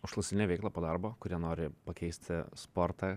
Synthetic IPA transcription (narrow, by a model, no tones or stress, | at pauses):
ʊʃlˠɐsʲɪnʲeːʋʲɛɪklˠɐːpoːd̪ɑɾboːkʊɾʲiɛnoːɾʲɪpɐkʲɛɪsʲt̪ʲɪspoːɾt̪ɑ